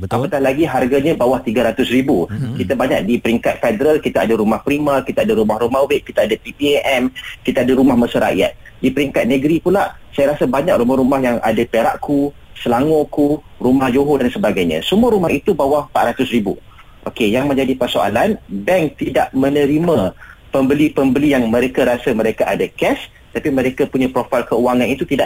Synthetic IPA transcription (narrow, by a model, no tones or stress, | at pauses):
ʔapak̪ahlaɡiɦarɡaɲəbawaht̪iɡəɾat̪ʊsribukit̪abaɲa̰k̚dipəɾiŋkat̪̚fedəɾalkit̪aadəɾumahpɾimərkit̪aadəɾumahɾumahweʔ̚kːit̪aadapipiʔɛmkit̪aadəɾumahməsəɾa̰ja̰t̪̚dipəɾiŋkat̪̚nəɡɾipulaʔ | sajaɾasabaɲak̚rumahɾumahjaŋʔa̰dapeɾa̰ʔkʰu | səlaŋoku | ɾumahd͡ʒoɦodansəbaɡajɲə̰̃səmũəɾumahit̪ubawahpa̰ʔ̪ɾat̪ʊsɾibṵ | ʔokejaŋmə̃ɲd͡ʒadipərsoa̰lanbɛŋ̚t̪idaʔmənə̃ɾimãpəmbəlipəmbəlijaŋmə̃ɾekaɾasamə̃ɾekaʔadakɛs | t̪apimə̃ɾekapuɲãpɾofajlkəuwaŋanit̪ut̪idaʔ